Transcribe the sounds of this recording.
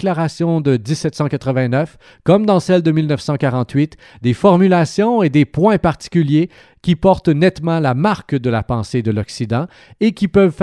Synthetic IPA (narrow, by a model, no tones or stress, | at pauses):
klaʁasjɔ̃d̪əd̪isːɛt̪sɑ̃kat̪χəvɛ̃nœf | kɔmd̪ɑ̃sɛld̪əmilnœfsɑ̃kaʁɑ̃t̪ɥit̪ | d̪efɔʁmylasjɔ̃ed̪epwɛ̃paʁt̪i̥kʲylje | kʲipɔʁt̪nɛt̪mɑ̃lamaʁkd̪əlapɑ̃sed̪əlɔksid̪ɑ̃ | ekʲipœvf